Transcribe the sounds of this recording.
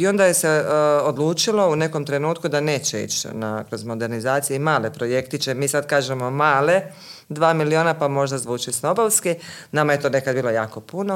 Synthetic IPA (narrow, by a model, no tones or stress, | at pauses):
io̞nd̪ajese̞od̪lˠuːt͡ʃilˠo̞une̞ko̞mt̪ɾe̞nuːt̪kud̪ane̞ːt͡ɕeḭt͡ʃna̰kɾo̞zmo̞d̪e̞ɾnizaːt̪sijeimaːle̞pɾo̞je̞kt̪it͡ʃemiːsad̪kaːʒe̞mo̞maːle̞ | d̪ʋaːmilio̞ːnapamo̞ʒd̪azʋuːt͡ʃisno̞bolskinamaje̞t̪oːne̞kad̪biːlo̞jaːko̞puno